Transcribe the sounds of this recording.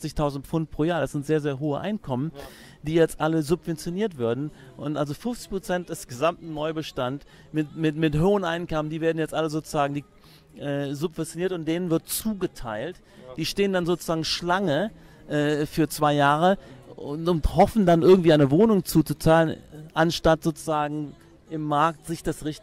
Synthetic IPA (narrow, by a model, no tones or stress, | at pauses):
t͡sɪçtʰaʊzn̩tfʊnt̚pʁ̥oːjaːɐɾasz̥ɪntz̥eːɐzeːɐɦoːəʔa̰ɪnkʰɔmən | d̥iːjɛt͡stʔaləzʊpv̥ɛnt͡sjoniːɐtv̥ɪɐdn̩ | ʔʊntʔalzofʊnft͡sɪ̥çpʁ̥ot͡sɛnt̚d̥ɛsɡ̥əzamtn̩ːɔʏbəʃtant | mɪtmɪtmɪtɦoːənʔa̰ɪnkɔməndiːveːɐdn̩jɛt͡stʔaləzoːt͡suzaːɡŋ̩diː | ʔɛːzʊpv̥ɛnt͡sjoniːɐtʊntd̥eːnənvɪɐtt͡suːɡətʰaɪlt | d̥iːʃteːəndanzoːt͡su̥zaːɡŋ̩ʃlaŋə | ʔɛːfyːɐt͡sv̥aɪjaːʁəʊʊnthɔfn̩danʔɪɐɡŋ̩tv̥iːaɪnəvoːnʊŋt͡suːt͡sut͡saːlənʔanʃtatz̥oːt͡suzaːɡŋ̩ | ʔɪmːaɐktz̥ɪçd̥asʁɪçt